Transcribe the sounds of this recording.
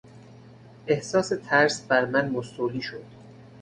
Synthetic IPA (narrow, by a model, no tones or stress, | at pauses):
ʔe̞hsɒːse̞t̪ʰæɾsbæɾmænmosuːliːʃod̪̥